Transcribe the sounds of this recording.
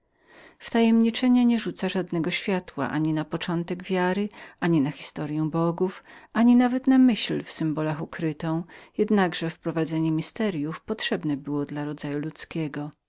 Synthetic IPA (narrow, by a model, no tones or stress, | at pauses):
ft̪ajɛmɲit͡ʂɛɲɛɲɛʐut̪saʐad̪nɛɡɔɕfʲjat̪wa̰ʔaɲinapɔt͡ʂɔnt̪ɛɡvʲjaɾɘʔaɲinaxʲi̥st̪ɔɾʲjɛ̃w̃bɔɡufaɲinavɛt̪namɘɕlfsɨmbɔlaxukɾɘt̪ɔ̃w̃jɛd̪naɡʐɛfpɾɔvad̪zɛɲɛmʲist̪ɛɾʲjufpɔtʂɛbnɛbɘwɔd̪laɾɔd̪zajulut̪skʲɛɡɔ